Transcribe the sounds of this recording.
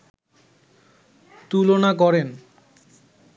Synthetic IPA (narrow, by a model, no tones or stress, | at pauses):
t̪ulonak̬ɔɾen